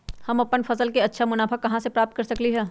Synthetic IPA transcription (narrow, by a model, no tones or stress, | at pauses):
hɐmɐpːənfɐsəlkeɐtːʃʰamʊnaːfəkːɐɦãsepɾaːp̚t̪̚kɐɾsɐkliɦɛː